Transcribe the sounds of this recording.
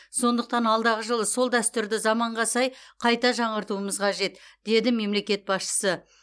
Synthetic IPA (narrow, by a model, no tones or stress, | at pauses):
so̞nd̪əqt̪ɑnɑlˠd̪ɑʁəʒəlˠəso̞lˠd̪æst̪ʏɾd̪ɪzɑmɑɴʁɑsɑjqʰɑjt̪ɑʒɑɴəɾt̪uəməzqʰɑʒe̞t̪d̪̥e̞d̪ɪme̞mle̞kʲe̞t̪̚bɑsʃə̥sə